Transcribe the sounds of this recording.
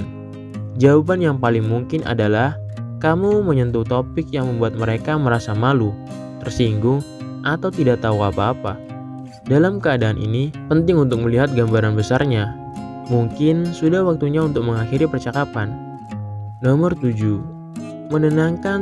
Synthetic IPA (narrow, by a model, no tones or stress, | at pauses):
d͡ʒawupanjaŋpalɪŋmuŋkɪnʔa̰dalah | kamuməɲənt̪ut̪opɪk̚jaŋməmbuat̪̚məɾekaməɾasamalu | t̪ərsiŋɡʊŋ | ʔat̪awt̪idaʔ̚t̪auapaːpa̰ | dalamkəadaːnʔḭnipənt̪ɪŋunt̪ʊk̚məliɦat̪̚ɡambaɾanbəsarɲa | muŋkɪnsudahwak̚t̪uɲaunt̪ʊk̚məŋaxiɾipərt͡ʃakapanː | omərt̪ud͡ʒu | mənənaŋkan